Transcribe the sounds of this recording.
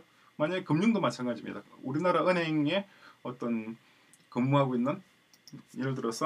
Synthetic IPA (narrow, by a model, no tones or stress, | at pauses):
maɲaɡekɯmɲuŋdomat͡ɕʰanɡad͡ʑimɲḭd̥auɾinaɾaɯnɦe̞ŋe̞ʌt͈ʌn | kɯmːuɦaɡoinːɯn | iɾɯɭt̬ɯɾʌsʰʌ